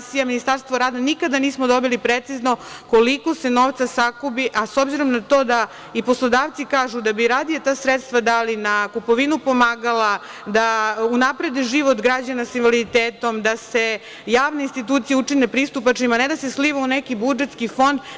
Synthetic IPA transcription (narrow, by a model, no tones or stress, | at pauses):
sijaminist̪aɾst̪ʋoɾaːd̪anikad̪aniːsmod̪o̞bilipɾet̪sizno̞koliko̞se̞no̞ːʋt̪sasakobiʔasobziɾo̞mnat̪o̞ːd̪a | ipo̞slˠod̪aːʋt̪sikaːʒud̪abiɾad̪ijat̪aːsɾet̪st̪ʋad̪alinakupoʋinupo̞maːɡala | d̪aunapɾe̞d̪eʒiʋo̞t̪ɡɾad͡ʑanasinʋalid̪it̪eːt̪o̞md̪ase̞ | jaːʋneinst̪it̪uːt̪sijeut͡ʂinepɾist̪upat͡ʂimaned̪asesliʋaunekibud͡ʒet̪skifo̞nd̪